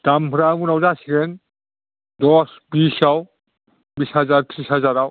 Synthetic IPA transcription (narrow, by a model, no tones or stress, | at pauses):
d̥ambʰʱuɾabunawzasiɡɛn | dɔsbisaw | bishazaɹtʰɹisazaɾaw